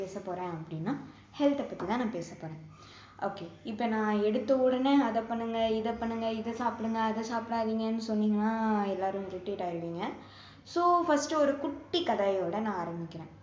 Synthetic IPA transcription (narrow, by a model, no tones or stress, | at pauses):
eːsɐpːoːɾẽːɐpːɐɽɪnːaː | hɛlt̪ɛpːɐt̪ːit̪ãːnãːpeːsɐpːoːɾẽː | ʔoːkeɪpːɐnãːɛɽɯt̪ːɐɔɽɐneːɐðɐpɐɳːɯŋɡɐɪðɐpɐɳːɯŋɡɐɪðɐsaːpɪɽɯŋɡɐːðɐsaːpɪɽaːðiːŋɡɐnːɯsɔnːiːŋɡɐnːaːɛlːaːɾɯ̃ɾɪʈːiːʈaːɪɾɯʋiːŋɡɐ | soːfɐsʈɯɔɾɯkʊʈːikɐðaːjoːɽɐnãːaːɾɐmbɪkʲːɪɾẽː